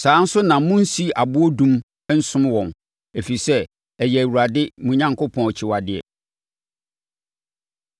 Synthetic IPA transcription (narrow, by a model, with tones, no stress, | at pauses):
sãː˨˦n̩˦sʊ˦nã˨˦mũ˦n̩˦si˦a˨bʊ˦o˦dũ˦m˦ | n̩˦sʊ̃˦mwɔ̃˨n | e˨fi˨sɛ˦ | ɛ˨jɛ˨æ˨wu˨ɾa˨dɪ˦mũ˨ɲã˨ŋkʰʊ˦pʰɔ̃˨nɔ˨t͡ɕʰɪ˨wa˨dɪ˨ɛ̰˨